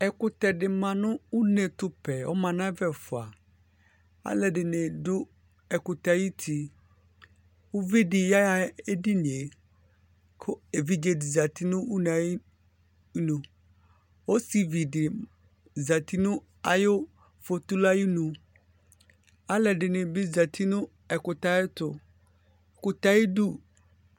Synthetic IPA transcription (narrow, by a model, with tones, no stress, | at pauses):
ɛ˨kʊ˦t̪ɛ˨ɖɪ˨mã˨nʊ̃˦u˦ne˨t̪ʊ˦pɛ˨wɔ̰˦mã˨nã˦vɛ˦fʊ˨a˨ | a̰˦lɛ˨ɖɪ˨nɛ̃˨dʊ˦ | ɛ˨kʊ˨t̪a˨ji˦t̪ʰi˨ | wo˦vi˦ɖɪ˨ja˦a˦e˦ɖi˦n˨e˨ | kʰʊ˦e˨vi˦d͡ʒe˨di˨za˨t̪i˦nʊ̃˦u˦nẽ˨a˨i˦ | nũ˨ | wo˦si˨vi˨dɪ˨ | za˨t̪i˦nʊ̃˦ | a˨jo˦ | fo˨t̪u˦la˦ji˦nũ˨ | a˦lɛ˨ɖɪ˨nɪ̃˨bɪ˦za˨t̪ʰi˦nʊ̃˦ | ɛ˨kʊ˨t̪a˦ɪ˦t̪ʊ˨ | ɛ˨kʊ˨t̪a˦ji˦du˦